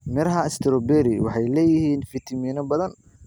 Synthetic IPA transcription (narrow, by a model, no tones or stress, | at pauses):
mɛɾɦɐɪst̪ʰɪɾɔbɛɾɪwɑ̰ħɑjlɛːjɪhiːnfit̪ʰɐmiːnɐbɐðɐn